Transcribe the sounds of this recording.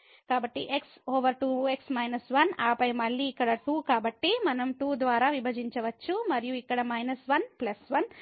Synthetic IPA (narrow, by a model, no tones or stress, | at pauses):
kaːbɐʈːiʔeksoːʋɐɾʈuːeksmɐjnɐsʋɐnaːpɐjmɐɭːiːkːɐɽɐʈuːkaːbɐʈːimɐnɐmʈuːd̪ʋaːɾaːʋibʱɐd͡ʒiɲt͡ʃɐʋɐt͡ʃːumɐɾijuikːɐɽɐmɐjnɐsʋɐnplɐsʋɐn